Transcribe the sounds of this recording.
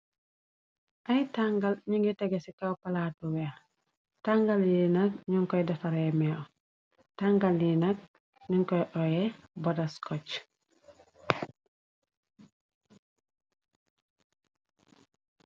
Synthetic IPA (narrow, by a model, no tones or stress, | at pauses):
ʔajtaŋɡalɲuŋɡitɛɡesikawpalatuwɛ | taŋɡaljinak̚ɲuŋkɔjdɐfaɾemɛɔ | taŋɡaljinak̚ | ɲuŋkɔjʔɔjɛbɔdaskɔc